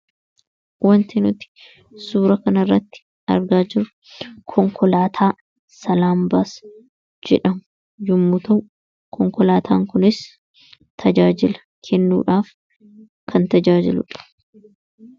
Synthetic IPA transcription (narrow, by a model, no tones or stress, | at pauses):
wɐnt̪ɪnʊt̪ɪ̥ | suːɾɐkɐnɐrːɐt̪ːɪ̥ | ɐ̰ɾɡaːd͡ʒɪɾʊ | kʰɔŋkɔlaːt̪ʰaː | sɐlaːmbas | d͡ʒɛ̰ᶑɐmʊ | jʊmːʊt̪ɐwʔ | kʰɔŋkɔlaːt̪ʰaːŋkʊnɪs | t̪ʰɐd͡ʒaːd͡ʒɪlɐ̥ | kʰɛnːṵːᶑaːf | kʰɐnt̪ɐd͡ʒaːd͡ʒɪlʊ̰ᶑɐ̥